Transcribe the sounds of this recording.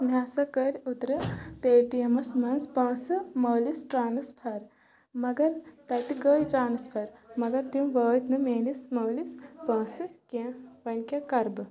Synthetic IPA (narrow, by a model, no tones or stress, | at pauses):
mʲaːsɐkəɾʲut̪ɾɨpeːʈijɐmɐsmɐnspɐ̃ːsɨmɐːlisʈɾaːnɨspʰɐɾ | mɐɡɐɾt̪ɐt̪iɡəːjʈɾaːnɨspʰɐɾmɐɡɐɾt̪imʋəːt̪nɨmeːnismɐːlispɐ̃ːsɨkẽʋɐnʲkʲɐkɐɾbɨ